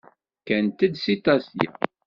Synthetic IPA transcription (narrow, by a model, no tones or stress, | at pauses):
kænt̪əd̪sit̪ˤɑsjæ̰